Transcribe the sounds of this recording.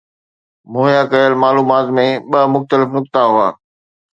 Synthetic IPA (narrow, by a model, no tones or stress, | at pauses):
moːɦjakɐjəlmaːluːmaːt̪mẽɓɐmʊxt̪əlɪfnʊkt̪aɦʊa̰ː